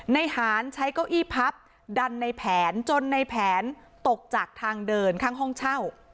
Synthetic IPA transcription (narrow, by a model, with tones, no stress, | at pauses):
na˧jhaː˩˦nt͡ɕʰa˦˥jkɔː˥˩wʔiː˥˩pʰa˦˥p̚ | da˧nːa˧jpʰɛː˩˦nt͡ɕo˧nːa˧jpʰɛː˩˦nt̪o˨˩k̚t͡ɕaː˨˩k̚t̪ʰaː˧ŋdɤː˧nkʰaː˥˩ŋɦɔ˥˩ŋt͡ɕʰa˥˩w